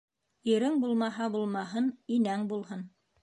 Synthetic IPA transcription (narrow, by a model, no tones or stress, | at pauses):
iɾɘŋbulˠmɑɦɑbulˠmɑɦɤninæŋbulˠhɤn